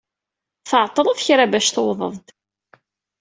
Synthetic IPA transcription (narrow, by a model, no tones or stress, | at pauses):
θəʕt̪ˤːɾˤəðçɾabæʃθoðˤə̰vd̪